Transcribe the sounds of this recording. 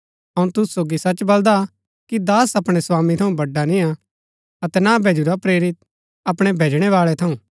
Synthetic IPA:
ɐũt̪ʊssːoːɡisɐt͡ʃbɐld̪a | kid̪aːsɐpɽ̃eswaːmit̪ʰɐũbɐɖːanɪ̃ja | ɐt̪ɛnabʱeːd͡ʒuɾapɾeːɾɪt̪̚ | ɐpɽ̃ebʱeːd͡ʒɽ̃ɛʋaːɭɛt̪ʰɐũː

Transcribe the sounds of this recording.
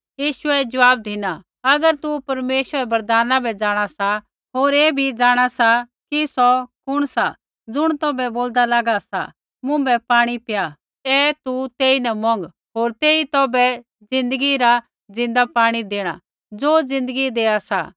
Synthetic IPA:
jiːʃʊɛd͡ʒɐʋaːb̚d̪ʱɪna | ɐɡəɾt̪upɐɾmeːʃʋəɾɛbɐɾd̪aːnãbɛd͡zaːɽ̃asa | ɦoːɾeːbʱid͡zaːɽ̃asa | kisɔkʊɽ̃sa | d͡zʊɽ̃t̪ɔːbɛboːld̪alaːɡasa̰ | mʊ̃bɛpaːɽ̃ipja | ɛt̪ut̪eːinɛmɔ̃ŋɡ | ɦoːɾt̪eːit̪ɔːbɛ | d͡zɪ̃nd̪əɡiɾa | d͡zɪ̃nd̪apaːɽ̃id̪eːɽ̃a̰ | d͡zoːd͡zɪ̃nd̪əɡid̪eːasa̰

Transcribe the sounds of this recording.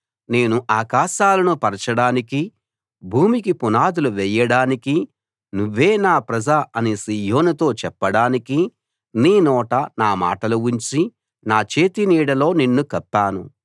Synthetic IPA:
ne̞ːnuʔaːkaːʃaːlɐnupɐɾɐt͡ʃɐɽaːniki | bʱuːmikipunaːd̪uluʋɛjːɐɽaːniki | nuʋːe̞ːnaːpɾɐd͡ʒaːɐnisiːjo̞ːnut̪o̞ːt͡ʃɛpːɐɽaːniki | niːnɔːʈɐnaːma̰ːʈɐluuɲt͡ʃi | naːt͡ʃe̞ːt̪iniːɽɐlo̞ːninːukɐpːaːnu

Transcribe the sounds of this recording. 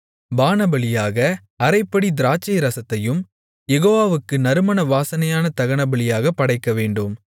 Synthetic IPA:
baːnɐbɐlɪjaːɣɐ | ɐɾɐɪpːɐɽid̪ɪɾaːt͡ʃːɐjɾɐsɐt̪ːɐjɯm | jɛɣoːʋaːʋɯkːɯnɐɾɯmɐnɐʋaːsɐnɐjaːnɐt̪ɐɣɐɳɐbɐɭɪjaːɣɐpːɐɽɐɪkːɐʋeːɳɖɯm

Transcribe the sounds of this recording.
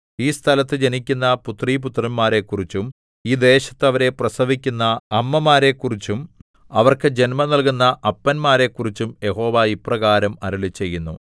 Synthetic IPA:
iːst̪ʰɐlɐt̪ːɨd͡ʑenikʲːunːɐput̪riːp̬ut̪rɐnmaːɾe̞kːurit͡ɕːum | iːd̪e̞ːɕɐ̥t̪ːɐʋɐɾe̞prɐsɐʋikʲːunːɐːmːɐmaːɾe̞kːurit͡ɕːum | ɐʋɐrkɨd͡ʑe̞nmɐnɐlkunːɐʔɐpːɐnmaːɾe̞kːurit͡ɕːumje̞ho̞ːʋaːiprɐɣaːɾɐmɐɾuɭit͡ɕːe̞jːunːṵ

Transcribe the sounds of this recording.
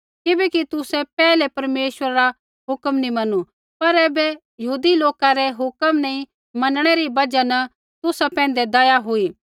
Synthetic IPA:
kɪbɛkit̪ʊsɛpɛːlɛpɐɾmeːʃwəɾaɾa | ɦʊkəmnĩmɐnu | pɐɾɛːbɛ | jɐɦuːd̪iloːkaɾɛɦʊkəmnɐĩ | mɐnɽ̃ɛɾibɐd͡ʒanɐ | t̪ʊsapɛ̃ːn̆d̪ɛd̪ɐjaɦoiː

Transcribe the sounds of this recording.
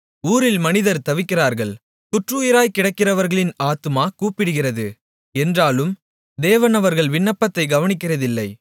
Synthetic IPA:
uːɾɪlmɐnɪðɐɾt̪ɐʋɪkːɪraːɾɣɐɭ | kʊʈrɯːjɪɾaːjkɪɽɐkːɪrɐʋɐɾɣɐɭɪnaːt̪ɯmaːkuːpɪɽɯɣɪrɐðɯ | ɛndraːlɯm | d̪eːʋɐnɐʋɐɾɣɐɭʋɪɳːɐpːɐt̪ːɐɪɡɐʋɐnɪkːɪrɐðɪlːɐɪ

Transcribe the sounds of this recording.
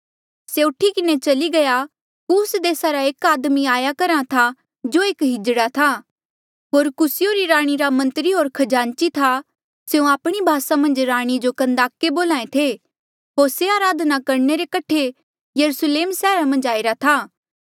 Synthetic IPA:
seʊʈʰikɪnet͡ʃɐliɡɐja | kuːsd̪eːsaɾaeːkaːd̪miaːjakɐɾãt̪ʰa | d͡ʒoːeːkɦɪd͡ʒɽat̪ʰa | ɦoːɾkʊsɪjoɾiɾaːɽ̃iɾamɐ̃nt̪ɾiɦoːɾkʰɐd͡ʒãːnt͡ʃit̪ʰa | seũaːpɽ̃ibʱaːsamɐ̃nd͡ʒɾaːɽ̃id͡ʒokɐ̃nd̪aːkːeboːlãːẽt̪ʰe | ɦoːɾseaːɾaːd̪ʱnakɐɾneɾekɐʈʰe | jɐɾusleːmsɛːɾamɐ̃nd͡ʒaːiɾat̪ʰaː

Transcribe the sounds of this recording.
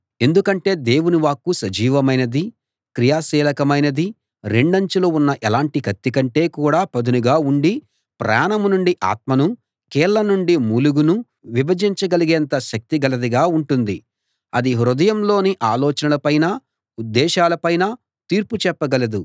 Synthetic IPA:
e̞nd̪ukɐɳʈe̞ːd̪e̞ːwuniʋaːkːusɐd͡ʒiːʋɐmɐjnɐd̪i | kɾijaːsiːlɐkɐmɐjnɐd̪i | ɾe̞ɳɖɐɲt͡ʃuloːunːɐʔɛlaːɳʈikɐt̪ːikɐɳʈe̞ːkuːɽaːpɐd̪unuɡaːuɳɖi | pɾa̰ːnɐmnuɳɖiʔa̰ːt̪̚mɐnu | kɛːɾlɐnuɳɖimuːluɡunu | ʋibɐd͡ʒiɲt͡ʃɐɡɐliɡeːnt̪ɐʃɐk̚t̪iɡɐlɐd̪iɡaːuɳʈund̪i | ɐd̪iɦɾud̪ɐjɐmlo̞ːniʔaːlɔːt͡ʃɐnɐlɐpɐjnaː | ud̪ːɛːʃaːlɐpɐjnaː | t̪iːɾput͡ʃɛpːɐɡɐlɐd̪u

